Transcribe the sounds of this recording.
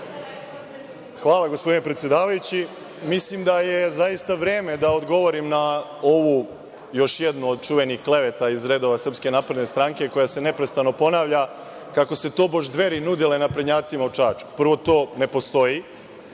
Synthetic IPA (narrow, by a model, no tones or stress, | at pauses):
xʋaːlˠaɡo̞spo̞d̪inepɾet̪sjed̪aːʋajut͡ɕi | mislimd̪ajezajist̪aʋɾeːme̞d̪aod̪ɡo̞ʋo̞ɾimnao̞ʋu | jo̞ʃjed̪nuod̪̚t͡ʃuʋe̞nixkle̞ʋet̪aizɾeːd̪o̞ʋasr̩pske̞naːpɾed̪ne̞st̪ɾaŋke̞ko̞jase̞ne̞pɾe̞st̪ano̞po̞naːʋʎa | kako̞se̞t̪oːboʒd̪ʋe̞ɾinud̪ilenapɾeɲaːt̪simaut͡ʂaːt͡ʃu̥pr̩ʋo̞t̪o̞ːne̞po̞st̪o̞ji